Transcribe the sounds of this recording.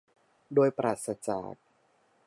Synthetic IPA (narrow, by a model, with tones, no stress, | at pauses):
doː˧jpɾʔaː˨˩t̪̚sa˧t͡ɕa̰ː˨˩k̚